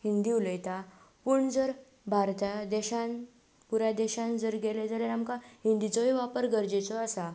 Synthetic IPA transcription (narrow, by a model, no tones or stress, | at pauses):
ɦind̪iuləjt̪a | puɳd͡zəɾ | bʱaɾt̪ad̪ɛɕãn | puɾad̪ɛɕãnd͡zəɾɡeled͡zaljaamkaɦind̪it͡sɔiʋapəɾɡəɾd͡ʑet͡sɔasa